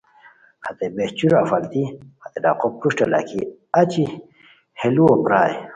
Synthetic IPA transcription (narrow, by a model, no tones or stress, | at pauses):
hat̪ebeht͡ɕuɾafɐlt̪ihat̪eɖa̰qop̚puʂʈela̰kʰiat͡ɕi | heluopɾaːj